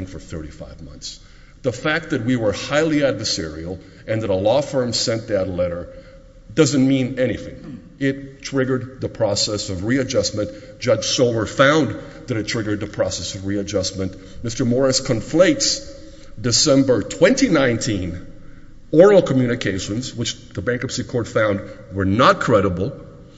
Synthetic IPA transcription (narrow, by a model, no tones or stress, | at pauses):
ŋfə˞θɜ˞ɾḭfa̰ɪvmʌ̰̃nθs | ðəfæk̚t̪̚ðɨt̚wiwə˞haɪlˠiædvə˞sɛ̰ɹḭl̩ˠ | ʔɨ̃nðəɾəlɔfɜ̃˞msɛ̃nðɨtˡlɛɾə˞ | dʌzɨ̃nmĩnɛñiθɪ̰̃ŋ | ɪttʰɹ̥ɪɡə˞d̪̚ðəpʰɹ̥ɔsɛsʌvɹiɨd͡ʒʌsmɨ̃nd̥ʒ̥ʌ̥ʒ̥soʊvə˞fãʊ̃n | ðɨɾɨtʰɹ̥ɪɡə˞d̪̚ðɨpʰɹ̥ɔsɛsʌvɹiɨd͡ʒʌsmɨ̃n | mɪstə˞mɔɹɨskʰɨ̃ɱfleɪts | dɨsɛ̃mbə˞tʰw̥ɛ̃ntinãɪ̃ntʰĩn | ɔɹl̩ˠkʰəmjʉñɨkʰeɪʃɨ̃nzwət͡ʃðəbæ̃ŋkʌpsikʰɔɹtfãʊ̃nd̚wə˞nət̚kʰɹ̥ɛɾəbl̩ˠ